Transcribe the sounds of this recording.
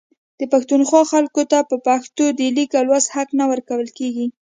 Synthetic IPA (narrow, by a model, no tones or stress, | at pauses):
d̪̥əpaxt̪unxwɑxalkot̪apəpaxt̪od̪əlikalwazhaknawəɾkawəlkeɡi